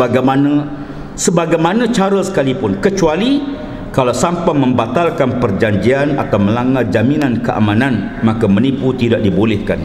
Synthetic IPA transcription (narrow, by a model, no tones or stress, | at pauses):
baɡamanə̃ | səbaɡajmanə̃t͡ʃaɾəsə̥kalipʊnkət͡ʃuali | kalawsampamə̃mbat̪alkanpərd͡ʒaɲd͡ʒiana̰t̪awmə̃laŋal̚d͡ʒaminãnkəʔa̰manãn | mãkəməniput̪idaʔ̚dibolɛhkan